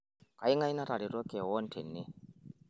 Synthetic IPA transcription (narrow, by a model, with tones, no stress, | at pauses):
ka˨i˦ŋa˦i˦na˦ɾa˨ɾi˨ɾɔ˦kʼɛ˨wɔ˦n̩˦tʰe˨nːe˦